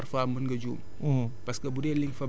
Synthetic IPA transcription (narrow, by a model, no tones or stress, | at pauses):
rfamənɡɐd͡ʒṵːm | pɐskɐbuɾeliŋfɐb